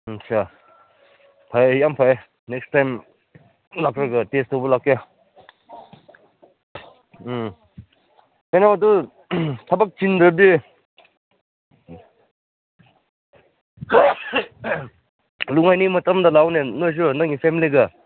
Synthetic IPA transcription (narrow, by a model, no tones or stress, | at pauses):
sʰa | pʰajjampʰaj | nekstajm | lak̚ɾɐɡɐtestobɐlaka | kajnawɐdu | tʰɐbɐk̚t͡ʃindɾɐbi | luŋajnijmɐtɐmdɐlawnenojs̬unaŋipʰemiliɡɐ